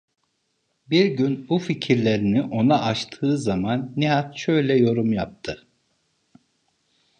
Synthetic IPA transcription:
biɾɟynbuficʰiɾlʲe̞ɾiniʔo̞naʔat͡ʃt̪ʰɯːzamanːiɦat̪ʃøjlʲɛjo̞ɾumjap̚t̪ʰɯ

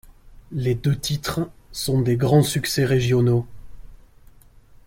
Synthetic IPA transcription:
led̪øt̪it̪χsɔ̃d̪eɡʁɑ̃syksɛʁeʒjɔno

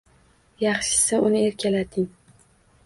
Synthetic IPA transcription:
jɑχʃɪ̥saʊnɪe̞ɾkʲalat̪ʰɪŋ

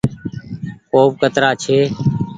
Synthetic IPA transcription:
koːp̚kət̪ɾaːt͡ʃʰeː

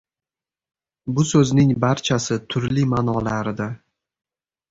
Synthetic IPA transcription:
bʊsɵznɪŋbaɾt͡ʃʰasɪt̪ʰʊɾlimanɒlaɾɪd̪a

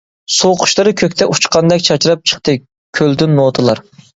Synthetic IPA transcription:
soqʰʊ̥ʃlˠɨɾɨkʲʰøkʲt̪ʰɛʔut͡ʃqɑnd̪ɛkʲt͡ʃʰɑt͡ʃɾɑp̚t͡ʃʰə̥χt̪ɨ | kʲʰøld̪ynːot̪ʰɨlˠɑɾ

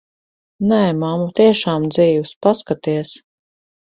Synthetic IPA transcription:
nɛmamut̪iɛʃaːmd̪ziːwspaskat̪iɛs

